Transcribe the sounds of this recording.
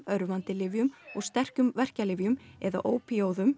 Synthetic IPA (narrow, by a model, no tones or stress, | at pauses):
œɾvant̪ɪlɪvjʏmɔɣst̪ɛr̥cʏmvɛr̥calɪːvjʏmɛða̰ʔoːwpioːwðʏm